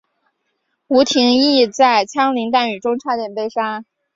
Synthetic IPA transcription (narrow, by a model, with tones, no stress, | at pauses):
u˧˥t̪ʰi˧˥ŋi˥˧t͡sa˥˧ɪt͡ɕʰjɑ˥ŋli˧˥ŋt̪a˥˩ny˨˩ʈ͡ʂʊ˥ŋʈ͡ʂʰa˥t̪jɛ˨˩npe˥˩ɪʂa˥